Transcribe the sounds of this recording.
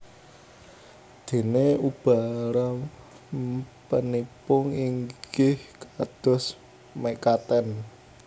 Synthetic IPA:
d̪̥e̤neub̥a̤ɾa | pənipʊŋiŋɡɪhkad̪̥ɔ̤s | mɛkat̪ɛn

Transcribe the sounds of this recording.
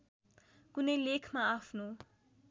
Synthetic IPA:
kunʌjlekʰmaapʰno

